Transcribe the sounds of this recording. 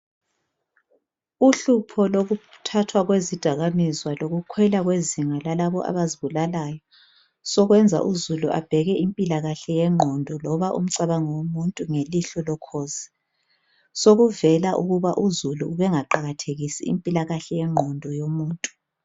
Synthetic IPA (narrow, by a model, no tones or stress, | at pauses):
uɬupʰɔloɣutʰatʰwaɣwezid̥ʱaɣamizwaloɣukʰwɛlaɣweziŋalalaβɔʔa̰βaziβulalajɔ | sɔɣwɛnd͡zʱa̰ʔuzuluʔa̰b̥ʱɛɣɛimpʼilaɣaɬɛjɛŋ͡ǃʱɔndʱɔlɔβaʔṵm̩ǀaβaŋɔwomuntʼuŋeliɬɔlɔkʰoːzi̥ | soɣuvɛlaʔuɣuβaʔuzuluːβɛŋaǃaɣatʰeɣisiḭmpʼilaɣaɬɛjɛŋ͡ǃʱɔndʱɔjomuːntʼu̥